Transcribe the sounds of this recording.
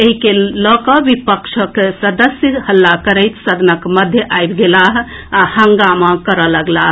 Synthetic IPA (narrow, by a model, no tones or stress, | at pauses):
eɦikelɔkɔbipəkʃʰəksəd̪əsjəhəlːakəɾəjt̪səd̪ʱənəkməd̪ʱjəʔajbɡelaɦahəŋɡamakəɾələɡlaɦ